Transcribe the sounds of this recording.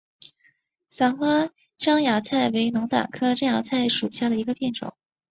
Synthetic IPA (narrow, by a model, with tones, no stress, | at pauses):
sa˧˥ŋxwa˥ | ʈ͡ʂɑ˥ŋja˨˥t͡sʰa˥˩ɪwe˧˥ɪnʊ˧˥ŋt̪a̰˨˩ŋkʰɤ˥ʈ͡ʂɑ˥ŋja˧˥t͡sʰa˥˩ɪʂu˨˩ɕja˥˩d̪ə˩i˧˥ɡə˧pjɛ˥˩nʈ͡ʂʊ̰˨˩˦ŋ